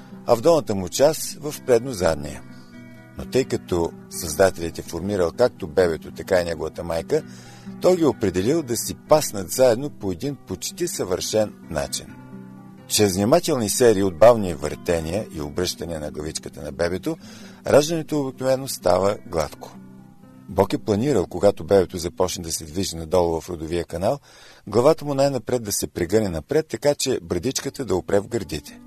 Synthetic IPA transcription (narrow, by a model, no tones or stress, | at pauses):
ɐ̰vd̪ɔlˠnət̪əmut͡ʃasvəfpɾɛd̪nozad̪mḭə̰ | not̪ɤjkɐt̪ɔ | sɐzd̪at̪ɛlʲɛt̪ɛfoɾmiɾəlˠkak̚t̪obɛβɛt̪ot̪ɐkainɛɡovət̪əmajkə | t̪ɔjɡʲiopɾɛd̪ɛlilˠd̪ɐsipasnət̪zaɛd̪nopoɛd̪inpot͡ʃt̪isəvəɾʃɛnːa̰t͡ʃḭn | t͡ʃɾɛzvnimat̪ɛlˠnisɛɾiːod̪̚bavnivə̰ɾt̪ɛniəʔio̰bɾɤʃt̪ɐniənɐɡlˠɐvit͡ʃkət̪ənɐbɛbɛt̪o | ɾʔaʒd̪ənɛt̪oːbiknovɛnost̪a̰vəɡlˠa̰t̪kʰo̥ | bɔkɛplˠɐniɾəlˠkoɡat̪obɛbɛt̪ozɐpɔt͡ʃnɛd̪ɐsɛd̪viʒinɐd̪ɔlˠvɐfɾod̪ʊviəkɐnalˠ | ɡlˠɐvat̪əmʊnajnɐpɾɛd̪ɐsɛpɾɛɡɤnɛnɐpɾɛt̪ːɐkat͡ʃɛbɾd̪it͡ʃkət̪əd̪ɐopɾɛvɡəɾd̪it̪ɛ̥